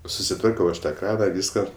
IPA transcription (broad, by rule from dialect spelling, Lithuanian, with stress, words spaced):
sʊsʲɪˈtʋɐrʲkʲɛʊ ˈɐʃ tɐ ˈkrɑːnɐ ˈʋʲiːskɐ